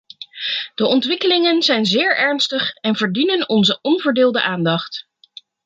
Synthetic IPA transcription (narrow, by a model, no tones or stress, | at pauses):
d̥əʔɔntʋɪkəlɪŋənzɛjnzɪːɹɛɹnstəχɛnvəɹdinənɔnzəʔɔnvəːɹdɪːlˠdəʔaːndɑχt